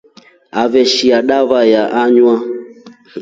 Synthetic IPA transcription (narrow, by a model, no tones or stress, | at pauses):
avɛʃiaɗaβajaʔaɲwa